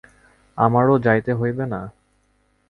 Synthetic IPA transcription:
amaɾod͡ʑajt̪eɦojbena

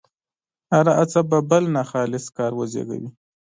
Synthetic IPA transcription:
haɾaʔat͡sababəlnaxɑlɪskɑɾwəzḛɡa̰wi

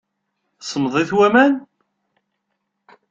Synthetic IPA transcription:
sˤəmðˤiθwæmæn

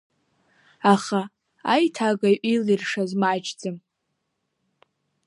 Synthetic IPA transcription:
aχa | a̰jtʰaɡajʔilirʂazmat͡ʃʰd͡zɨm

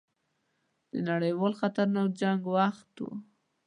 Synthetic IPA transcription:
d̪̥ənaɽəjwɑlxat̪aɾnawd͡ʒaŋɡwaxt̪wṵ

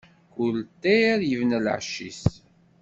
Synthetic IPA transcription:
kult̪ːeɾjəvnəl̰ʕʃːis

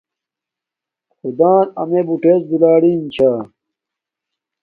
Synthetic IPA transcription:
xud̪aːnɐ̰mebuʈeːsd̪ulaːɽiːnt͡ɕʰaː

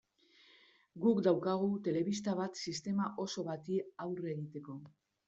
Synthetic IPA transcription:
ɡukd̪awkaɣ̞ut̪e̞le̞βist̪aβ̞at̪sist̪e̞maʔo̞so̞βat̪iawreɣit̪e̞ko̞

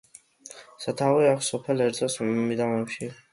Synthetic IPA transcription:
sat̪ʰaviakʰsɔpʰɛlɛɾd̪zʰʼɔsmid̪avnɛpʃi

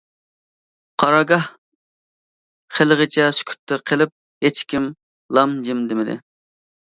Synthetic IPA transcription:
qʰɑɾɑɡɑh | χelˠəʁət͡ʃʰɛsy̥kʲʰy̥t̪ʰːɪqʰəlˠɪp̚ | het͡ʃkʲim | lˠɑmd͡ʒɪmd̪ɪmɪd̪ɪ̰

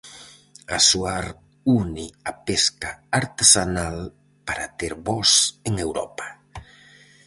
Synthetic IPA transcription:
asuaɾ | uniapeskaaɾt̪esanal | paɾat̪eɾβɔseŋewɾɔ̰pḁ

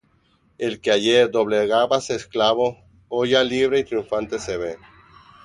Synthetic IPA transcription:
elkeaʝeɾd̪o̞βleɣaβasesklaβo | oʝaliβɾeit̪ɾijuɱfãnt̪e̞seβe

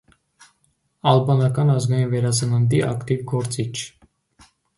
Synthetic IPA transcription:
ɑlbɑnɑkɑnɑzɡɑjinvɛɾɑsənənd̪iʔɑkt̪ivɡɔɾt͡sit͡ʃʰ

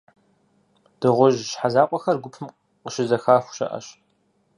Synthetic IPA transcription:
d̥ɨʁʷʊʒʃħazaːqʷʼɔxɐrɡʷʊpʰɨm | qəʃɪzɐxaːxʷʃɐ̰ʔɐ̰ʃ

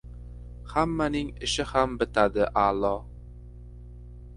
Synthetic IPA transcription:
hamːanɪŋɪʃɪhambɪt̪ʰad̪ɪʔalˠɒ

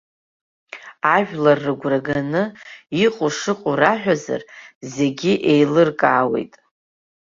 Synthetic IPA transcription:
aʒᶣlarːɨɡʷraɡanɨiqʼʊʂɨqʼuraħʷᶣaza̰rze̞ɡʲiʔe̞jlɨrkʼaːwe̞̰jtʼ

